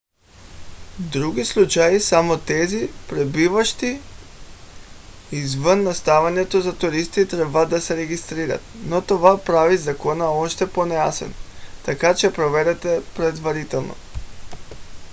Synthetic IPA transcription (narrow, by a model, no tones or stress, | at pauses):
d̪ɾuɡislˠut͡ʃajisamot̪ɛzipɾɛbivaʃt̪i | izvənːast̪avaɲɛt̪ozat̪uɾist̪it̪ɾɛbad̪asɛɾɛɡist̪ɾiɾa̰t̪̚not̪ovapɾavizakonaoʃt̪ɛponɛjasɛ̰nt̪akat͡ʃɛpɾovɛɾɛt̪ɛpɾɛd̪vaɾit̪ɛlˠno̰